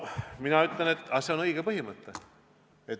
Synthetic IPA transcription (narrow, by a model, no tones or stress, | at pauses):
minɑyt̪lenet̪ːɑse̞o̞nɤjɡ̥epɤɦimət̪ːe | et̪